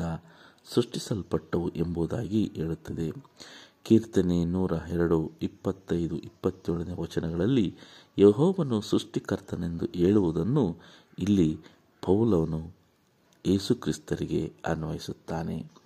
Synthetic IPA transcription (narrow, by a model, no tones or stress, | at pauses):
ɐsɾuʂʈisɐlpɐʈːɐʋuʔe̞mbuːd̪aːɡiʔeːɭut̪ːɐd̪e̞kiːɾt̪ɐnenuːɾɐɦɛɾɐɽuipːɐt̪ːɐjd̪uʔipːɐt̪ːjoɭɐneʋɐt͡ʃɐnɛɡɐɭɐlːijeɦɔːʋɐnusɾuʂʈikɐɾt̪ʰɐne̞nd̪uʔe̞ːɭuʋud̪ɐnːu | ilːi | pɐwlɐʋɐnu | je̞ːsukɾist̪ɐɾiɡe̞̰ɐnʋɐjisut̪ːaːne̞̰